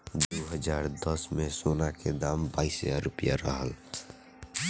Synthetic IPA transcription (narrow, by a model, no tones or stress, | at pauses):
d̪oːɦəd͡ʒaːɾd̪əsmẽsoːnaked̪aːmbaːɪsjaɾʊpja̰ɾəɦəl